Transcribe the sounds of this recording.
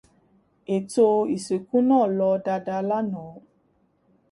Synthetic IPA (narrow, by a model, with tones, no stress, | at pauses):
e˨to˧i˨se˨kũ˦nãː˦˨lɔ˧da˧da˧la˦nɔ̃˨˦